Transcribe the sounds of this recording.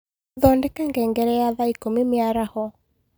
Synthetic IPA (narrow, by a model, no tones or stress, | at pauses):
ðɔndɛkɛŋɡɛŋɡɛɾɛjaðaikomimjaɾahɔ